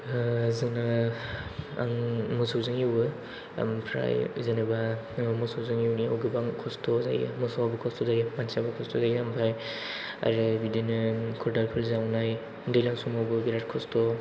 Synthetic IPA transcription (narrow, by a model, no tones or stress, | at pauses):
zɯŋna | a̰ŋmɔsowzɯŋjiwɯ̰ | mpʰɾa̰jzanɯba | mɔsowzɯŋjiwnia̰wɡɯbaŋkʰɔstɔza̰j̰mɔsawabɯkʰɔstɔzaimansabakʰɔstɔzajiampʰaj | a̰ɾɯbidinɯkʰɔɾdalpʰɯlzawnaj | dɯjlaŋsumawbɯbiɾat̚kʰɔstɔ